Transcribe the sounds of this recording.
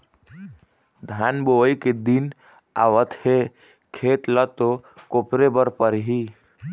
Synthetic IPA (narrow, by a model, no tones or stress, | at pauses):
d̪ʱanboəjked̪in | a̰ʋət̪he | kʰet̪lət̪okopɾebəɾpəɾɦi